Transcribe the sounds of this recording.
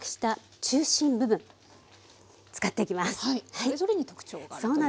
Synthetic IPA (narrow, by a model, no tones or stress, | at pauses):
kɯ̟̥ɕi̥t̪a | t͡ɕɨːɕĩmbɯ̟bɯ̟̃n | t͡sɨ̥kat̪ːeikʲimasɨ̥aihaisoɾeɲ̟it̪okɯ̥t͡ɕoːso̞ːna